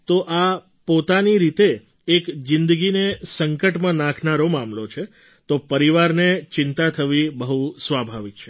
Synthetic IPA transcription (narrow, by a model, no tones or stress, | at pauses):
t̪oʔa | pot̪aniɾit̪eː | kd͡ʒɪ̃nd̪əɡinesəŋkəʈmãnãkʰnaɾomamlot͡ʃʰe | t̪opəɾiʋaɾnet͡ʃɪnt̪at̪ʰəʋibəɦusʋabʱaʋik̚t͡ʃʰe